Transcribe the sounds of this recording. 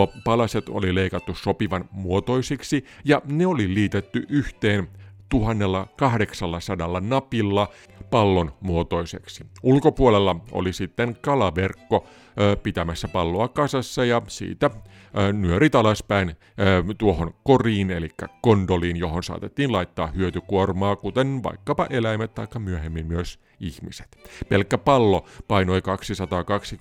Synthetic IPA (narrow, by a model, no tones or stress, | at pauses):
pɑlɑset̪o̰lileikɑt̪ːussopiʋɑnmuot̪o̞isiksijɑneoliliːt̪et̪ːyʔyht̪eːnt̪uhɑnːelːɑkɑhdeksɑlːɑsɑdɑlːɑnɑpilːɑ | pɑlːonmuot̪o̞iseksi̥ulkopuolelːɑo̰lisit̪ːeŋkɑlɑʋerkːo | pit̪æmæsːæpɑlːoɑkɑsɑsːɑjɑsḭːt̪æ | nyøɾit̪ɑlɑspæinː | t̪uohonkoriːnelikːæ̰kond̪oliːnjoɦonsɑ̰ːt̪et̪ːiːnlɑit̪ːɑ̰ːhyøt̪ykuormɑːkut̪enʋɑ̰ikːɑpɑʔelæimæt̪t̪ɑikːɑmyøhemːimmyøs | ihmise̥t̪pelkːæpɑlːopɑino̞ikɑksisɑt̪ɑːkɑksi